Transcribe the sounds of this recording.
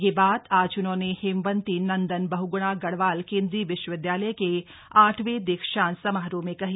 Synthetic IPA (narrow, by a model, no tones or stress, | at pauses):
jebaːd̪aːd͡ʒʊnɦõːnehɪmʋə̃nt̪inɐ̃nd̪ənbɐɦuɡʊɽ̃aɡɐɽʋaːlkɪ̃nd̪ɾiʋɪʃwəʋɪd̪jaːləjke | aːʈʰʋed̪eːkʃaːnsɐmaːɾõmẽkɐɦi